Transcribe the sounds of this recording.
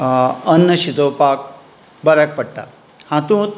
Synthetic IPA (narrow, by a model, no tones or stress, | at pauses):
ɐnːɐɕid̪oːpaːk | bɐɾak̚pɐʈʈa̰ | hãt̪ũːt̪